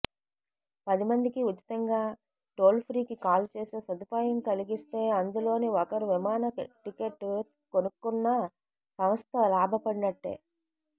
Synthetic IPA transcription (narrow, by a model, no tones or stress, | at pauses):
pɐd̪imɐnd̪ikiut͡ʃːi̥t̪ɐŋɡaː | ʈoːlpʰɾiːkikaːlt͡ʃeːseːsɐd̪upaːjɐmkɐliɡist̪e̞ːɐnd̪ulo̞ːniɔkɐɾuʋimaːnɐʈikeʈː | konukːunːɐ | sɐʋɐst̪ɐlaːbʱɐpɐɽinɐʈːḛː